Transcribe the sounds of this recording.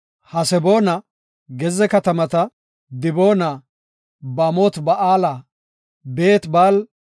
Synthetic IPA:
hɐsɛbo̞ːnɐ | ɡɛzɛkɐt̪ɐmɐt̪ɐ | d̪ɪbo̞ːna | bɐmoːt̪bɐʔaːla | be̞ːt̪baːl

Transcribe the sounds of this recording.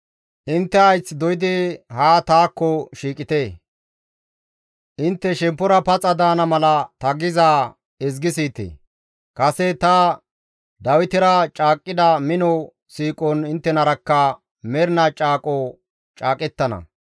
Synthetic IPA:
ʔɪnt̪ːɛɐjt͡sːd̪ɔjɪd̪ɪhaːt̪aːkːɔʃiːkʼɪt̪eː | ʔɪnt̪ːɛʃɛmpːʊɾɐpɐt͡sʼɐd̪aːnɐmɐlɐt̪ɐɡɪzaː | ɛzɡɪs̬iːt̪ḛ | kʼɐsɛt̪ɐ | d̪ɐwɪt̪ɪɾɐt͡ʃʼaːkʼːɪd̪ɐmɪnɔ | siːkʼɔnɪnt̪ːɛnɐɾɐkːɐ | mɛɾnɐt͡ʃʼaːkʼɔ | t͡ʃʼaːkʼɛt̪ːɐnɐ̰

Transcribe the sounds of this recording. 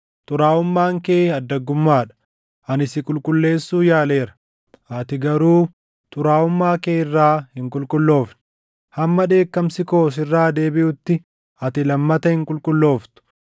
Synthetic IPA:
t̪ʼʊɾaːʊmːaːŋkeːɐd̪ːɐɡʊmːaːᶑɐ̥ | ʔɐnɪsɪkʼʊlkʼʊlːe̞ːsːuːjaːle̞ːɾɐ̥ | ɐt̪ɪɡɐɾuː | t̪ʼʊɾaːʊmːaːkeːɪrːaːhɪŋkʼʊlkʼʊlːo̞ːfnɪ̥ | hɐmːɐᶑe̞ːkːɐmsɪko̞ːs̬ɪrːaːd̪e̞ːbɪʔʊt̪ːɪ | ɐt̪ɪlɐmːɐt̪ɐhɪŋkʼʊlkʼʊlːo̞ːft̪ʊ̥

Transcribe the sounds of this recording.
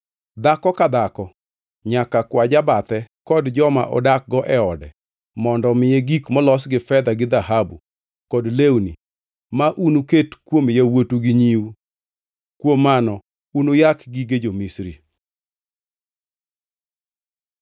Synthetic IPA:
d̪akɔkad̪akɔ | ɲakakwad͡ʒabat̪ɛkɔdd͡ʒɔma̰ʔɔ̰dak̚ɡɔʔɛɔdɛ | mɔndɔmɪjeɡikmɔlɔsɡɪfɛd̪aɡɪd̪aɦabu | kɔdlewnḭ | maʔunuketkwomjawotuɡiɲiu | kwomːanɔ | unojakɡiɡed͡ʒomisɾḭ

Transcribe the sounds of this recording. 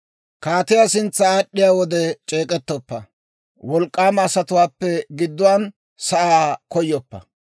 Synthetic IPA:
kaːt̪ɪjaːsɪnt͡sːɐːɗːɪjaːwɔd̪ɛt͡ʃʼeːkʼɛt̪ːɔpːɐ | wɔlkʼːaːmːsɐt̪ʊwaːpːɛɡɪd̪ːʊwaːn | sɐʔaːkɔjːɔpːɐ̰

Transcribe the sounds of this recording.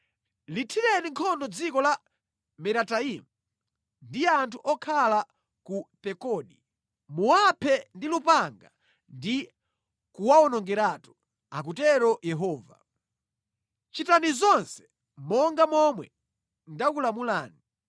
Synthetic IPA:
litʰiɾɛniŋkʰɔndɔd͡zikɔla | mɛɾataimu | ndijɛantʰuʔɔkʰala | kupɛkɔɗi | muwapʰɛndilupaŋɡa | ndi | kuwaɔnɔŋɡɛɾatu̥ | ak̬utɛɾɔjɛɦɔːva̰ | t͡ʃitanizɔnsɛ̥ | mɔŋɡamɔmwɛ | ndakulamulaːni

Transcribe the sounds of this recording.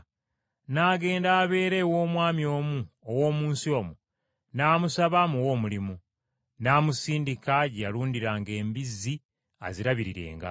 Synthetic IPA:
naːɡe̞ːndaːβe̞ːɾe̞wo̞ːmwaːmjo̞ːmu | owo̞ːmuːnsio̞ːmu | naːmusaβamuwo̞ːmulimu | naːmusiːndikaɟaluːndiɾaːŋɡe̞ːmbizːi | a̰ziɾaβiɾiɾe̞̰ːŋɡa̰

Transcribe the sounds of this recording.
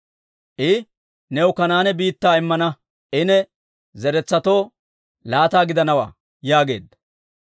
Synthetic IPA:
ʔɪ | nɛwʊkɐnaːnɛbiːt̪ːaːɪmːɐnɐ | ʔɪnɛ | zɛɾɛt͡sːɐt̪o̞ː | laːt̪aːɡɪd̪ɐnɐwa̰ː | jaːɡe̞ːd̪ɐ

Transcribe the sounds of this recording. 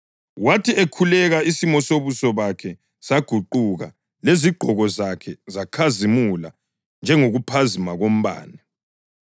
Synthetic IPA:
watʰiekʰulɛɣaisimɔsoβusɔβakʰɛ | saɡ̥ʱuǃuɣa̰ | leziɡ͡ǃʱɔɣɔzakʰɛzakʰazimula̰ | nd͡ʒʱɛŋoɣupʰazimaɣom̩βa̰ːni

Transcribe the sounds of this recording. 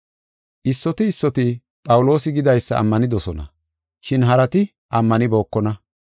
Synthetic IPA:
ʔɪsːɔt̪ɪːsːɔt̪ɪ | pʼɐwʊlo̞ːsɪɡɪd̪ɐjsːɐɐ̰mːɐnɪd̪ɔsɔnɐ̰ | ʃɪnɦɐɾɐt̪ɪ | ʔɐmːɐnɪbo̞ːkːɔnɐ

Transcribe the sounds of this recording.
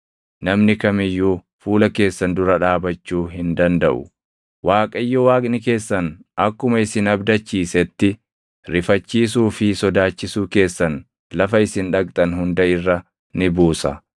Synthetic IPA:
nɐmnɪkɐmɪjːuː | fuːlɐke̞ːsːɐnd̪ʊɾɐᶑaːbɐt͡ʃːuːɦɪnd̪ɐnd̪ɐ̰ʔʊ̰ | waːkʼɐɪjːɔwaːkʼnɪke̞ːsːɐnʔɐkːʊmɐɪsɪnɐbd̪ɐt͡ʃːiːsɛt̪ːɪ | ɾɪfɐt͡ʃːiːs̬uːfɪsɔd̪aːt͡ʃːɪsuːke̞ːsːɐn | lɐfɐɪsɪnᶑɐkʼt̪ʼɐnɦʊnd̪ɐɪrːɐ | nɪbuːsɐ

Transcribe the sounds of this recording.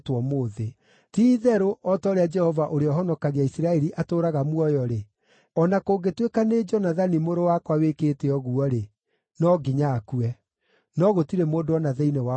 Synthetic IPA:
twɔmoːðe | tiðɛɾoʔɔtɔɾead͡ʒɛhɔvaʔoɾeɔɦɔnɔkaɣeaisɾaɛɾiʔatoːɾaɣamwɔjɔɾe | ɔnakoːɡetwekaned͡ʒɔnaðanimoɾowakwawekeːteɔɣuɔɾe | nɔɡiɲaːkuɛ | nɔɣotiɾemoːdoɔnaðɛinɛwa

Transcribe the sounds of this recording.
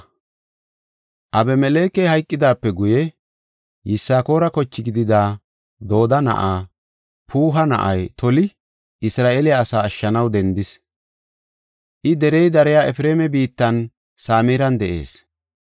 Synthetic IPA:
ʔɐbɛmɛle̞ːkːɛjhɐjkʼːɪd̪aːpːɛɡʊjɛ | jɪsːaːko̞ːɾɐkɔt͡ʃːɪɡɪd̪ɪd̪aː | d̪o̞ːd̪ɐnɐ̰ʔaː | pʰuːɦɐnɐ̰ʔɐjt̪ʰɔlɪ | ɪsɾaːʔeːlɪjaːsaːʃːɐnɐwd̪ɛnd̪ɪs | ʔɪd̪ɛɾɛjd̪ɐɾɛjaɛfɾe̞ːmɛbiːt̪ːɐn | saːmeːɾɐnd̪ɛʔe̞̰ːs

